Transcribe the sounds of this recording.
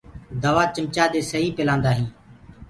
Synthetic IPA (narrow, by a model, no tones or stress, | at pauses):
d̪əʋaːt͡ʃəmt͡ʃaːɗ̪eːsəɦiːpɪlãːnd̪aːɦĩː